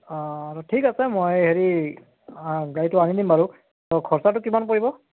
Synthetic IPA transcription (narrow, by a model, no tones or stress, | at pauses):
ɹɔtʰikasɛmojheɹi | ɡaɹitʊanidimbaɹu | tɔkʰɔɹsat̬ʊkimanpoɹibɔ